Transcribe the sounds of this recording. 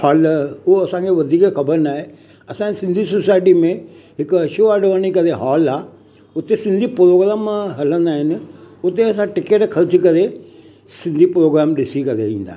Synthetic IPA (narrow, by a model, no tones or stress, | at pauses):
haːlʊɦoɐsãkʰeʋɐd̪ʱiːkxɐbəɾnaːɦe | ɐsãsɪ̃nd̪ʱisosaːɪʈimẽ | ɦɪkɐʃoaːɖʋəːɽ̃ikɐɾeɦɔːlaː | ʊt̪esɪ̃nd̪ʱipɾoːɡɾaːmɦɐlə̃nd̪aːɦɪnɪ̆ʊt̪eɐs̬ãʈɪkeːʈkʰɐɾt͡ɕkɐɾe | sɪ̃nd̪ʱipɾoːɡɾaːmɗɪsikɐɾḛĩːn̆d̪aː